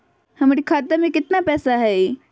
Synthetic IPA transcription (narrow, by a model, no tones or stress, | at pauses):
hɐmaɾikʰaːt̪əmẽkɪt̪napɛːsaɦɛ